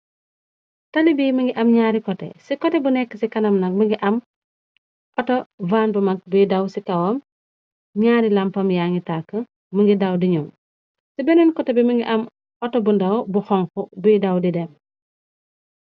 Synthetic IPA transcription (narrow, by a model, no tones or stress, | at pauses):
tɐlibiːməŋɡiʔɐmɲaːɾikɔtɛ̰sikɔtɛbunɛkːəsikɐnɐmnɐk̚miŋɡiʔɐm | ʔɔtɔvanbɐmɐk̚bujdɐwsikɐwɔm | ɲaːɾilɐmpɐmjaŋɡitakːə | məŋɡidɐwdiɲɔm | sibɛnɔnkɔtɛbɛməŋɡiʔɐm | ɔtɔbundɐwbuxɔŋkɔbujidɐwdidɛm